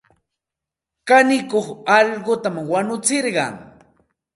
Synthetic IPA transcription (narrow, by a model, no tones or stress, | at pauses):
kanɪkoχɑʎɢʊt̪amwanʊt͡sɪɾɢɑ̰ŋ